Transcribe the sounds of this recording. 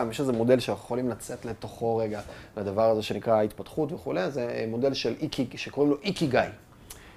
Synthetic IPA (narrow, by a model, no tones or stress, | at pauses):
amjeʃezemo̞de̞lʃeχolimlat͡se̞t̪le̞to̞χo̞ʁe̞ɡavad̪avaʁaze̞ʃe̞nikʁait̪patχut̪veχule̞jzemo̞de̞lʃelikʰiʃeko̞ʁemlo̞ʔikiɡaj